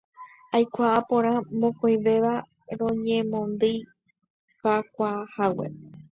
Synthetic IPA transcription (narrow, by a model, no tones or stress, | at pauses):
ajkʷaʔapõɾ̃ãmõkojʋe̞ʋa | ɾ̃õ̞ɲẽmõnd̪ɨ | kakʷahawḛ